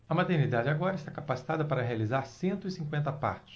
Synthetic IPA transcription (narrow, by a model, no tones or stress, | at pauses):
ɐmat̪eɾnid̪ad͡ʒɪaɡɔɾɐɪst̪akapasi̥t̪ad̪ɐpaɾɐɦealizaɾsẽnt̪ʊisĩŋkwẽnt̪ɐpa̰ɾt͡ʃɪ̥s